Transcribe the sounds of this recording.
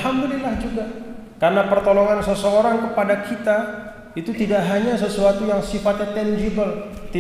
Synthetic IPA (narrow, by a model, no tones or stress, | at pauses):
ɦamdulilahd͡ʒuɡa | karnapərt̪oloŋansəsəoɾaŋkəpadakʰit̪a | it̪ut̪idaʔɦaɲasəsuat̪ujaŋsifat̪at̪ɛnd͡ʒibəl | t̪i